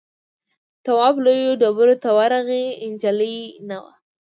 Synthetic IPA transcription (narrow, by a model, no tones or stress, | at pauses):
t̪awɑblojoɖabəɾot̪awaɾaɣeɪnd͡ʒaləjnawa̰